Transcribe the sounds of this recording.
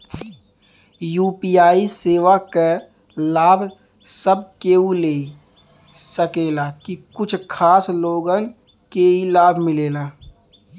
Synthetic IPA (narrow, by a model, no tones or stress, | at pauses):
juːpiːaːiseːʋake | laːbʱ | səb̚keːuleːi | səkeːlakikʊt͡ʃʰkʰaːsloːɡən | keilaːbʱmɪleːnaː